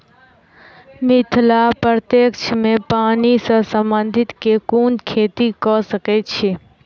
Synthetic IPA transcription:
mɪt̪ʰlapəɾt̪eːkt͡ʃʰmẽpaːnisə̃sə̃mbənd̪ʱɪt̪kekuːnkʰeːt̪ikɔsəkett͡ʃʰe

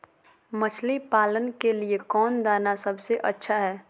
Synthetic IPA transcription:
mɐt͡ʃʰlipaːlənkeliekɔːnd̪aːnasɐbseʔɐtːʃʰaɦɛː

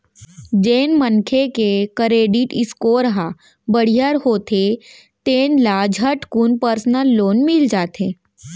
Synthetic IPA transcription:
d͡ʒeːnmənkʰekekəɾeːɖiʈɪskoɾɦa | bəɽ̤ijəɾɦoːt̪ʰe | t̪eːnlad͡ʒʱəʈkunpəɾsnəlːoːnmɪld͡ʒaːt̪eː

